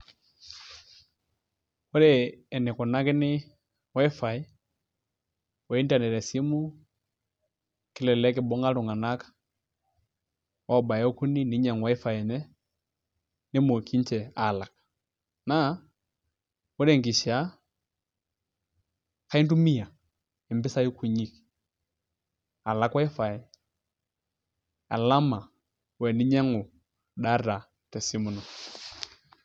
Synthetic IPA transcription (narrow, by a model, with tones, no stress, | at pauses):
wɔ˦ɾɛː˦˨nɛ˨kɔ˨na˦kɪ˦nɪ˦ | wa˦i˦fa˨i˦ | wɛ˨i˦nda˨nɛ˨ɾɛ˨si˦mu˦ | kɪ˦lɛ˨lɛ˦kɪ˨bɔ˦ŋɡa˦ɾu˨ŋɡa˨na˦kḁ˦ | wʔa˦ɔ˨ba˨jku˦ni˦ni˨˦ɲa˨ŋwa˦i˦fa˨jɛ˨nɛ˦ | nɪ˦mo˨kʰi˦ɲt͡ʃɛ˨a˨la˨k | na˦ | o˦ɾɛ˦˨ŋɡi˨ʃa˦ | ka˦i˦ndu˦mi˦a˨ | ɛ˨mbɪ˦sa˦ji˦kʰu˦˨ɲi˨k | a˨la˦kwa˦i˦fa˨ɛ˨ | a̰˨la˦ma˨ | wɛ˨ni˦ɲa˦ŋʊ˨ | ɗa˦ɾa˨ | tɛ˨si˦mu˨nɔ˨